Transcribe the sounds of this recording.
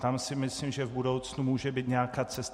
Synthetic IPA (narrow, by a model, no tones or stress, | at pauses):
t̪amsɪmɪslimʒɛvbudowt͡snumuːʒɛbiːt̪ɲɛakaːt͡sɛst̪